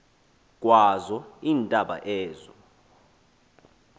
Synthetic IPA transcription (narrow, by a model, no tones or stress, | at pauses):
kʼwazɔiːntʼaɓa̰ʔɛːzɔ